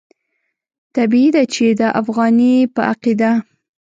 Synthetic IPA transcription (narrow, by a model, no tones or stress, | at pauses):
t̪abid̪at͡ʃed̪əʔafɣɑnipəʔa̰qid̪a